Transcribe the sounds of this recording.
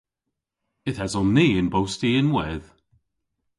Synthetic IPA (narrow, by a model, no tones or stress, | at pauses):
ɪθɛzɔnːiːɪnbowstiɪnwɛð